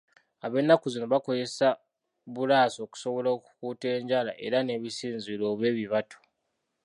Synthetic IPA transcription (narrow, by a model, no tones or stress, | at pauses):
aβe̞nːakuzino̞βako̞ze̞sa | βulaːso̞ːku̥so̞βo̞loːku̥kuːte̞ːɲɟaːlaʔe̞̰ɾane̞ːβisiːnzilo̞ːβe̞ːβiβatʰo̥